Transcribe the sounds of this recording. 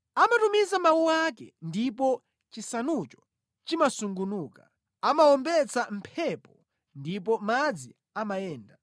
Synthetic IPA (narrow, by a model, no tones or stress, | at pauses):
amatumizamawuwakɛ̰ndipɔ | t͡ʃisanut͡ʃɔ̥ | t͡ʃimasuŋɡunuːka | amaɔmbɛt͡sam̩pʰɛpɔ | ndip̬ɔmad͡zi | amajɛːnda